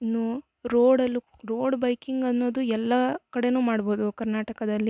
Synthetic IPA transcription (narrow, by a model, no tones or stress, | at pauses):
inːu | ɾoːɽɐlːu | ɾoːɖbɐjkiŋɡɐnːo̞ːd̪uɛlːɐkɐɽe̞nuːmaːɽbo̞ːd̪ukɐɾnaːʈɐkɐd̪ɐlːi